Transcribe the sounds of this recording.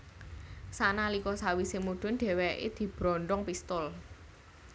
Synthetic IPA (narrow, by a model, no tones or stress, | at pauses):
sanalikɔsawisemuɖ̥ʊ̤nɖ̥ɛ̤wɛʔḛd̪̥i̤b̥ɾɔ̤nɖʊŋpist̪ʊl